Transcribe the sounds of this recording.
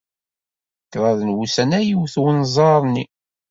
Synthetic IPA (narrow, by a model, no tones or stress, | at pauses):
kɾˤɑðənwusænæjiwθwənzˤɑɾˤni